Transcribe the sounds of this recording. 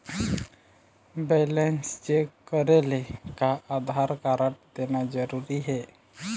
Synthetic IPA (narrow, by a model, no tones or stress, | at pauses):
belensd͡ʒekəɾelekaʔad̪ʱaɾkaɾəʈ̚d̪enad͡ʒəɾuɾiɦɛ